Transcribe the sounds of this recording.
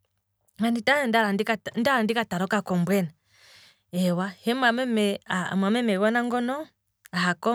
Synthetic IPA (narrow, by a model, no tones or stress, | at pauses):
nanditaɛndaɾandkandaɾandikataɾɔkakɔmbwɛna | ɛwahɛmamɛmɛamwamɛmɛɣɔnaŋɡɔnɔ | aɦakɔ